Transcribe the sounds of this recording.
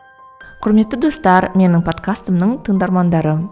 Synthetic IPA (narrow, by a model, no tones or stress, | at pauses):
qʰʊɾme̞t̪ːɪd̪o̞st̪ɑɾme̞nɪŋpʰo̞t̪kʰast̪əmnəɴt̪ʰəɴd̪ɑɾmɑnd̪ɑɾə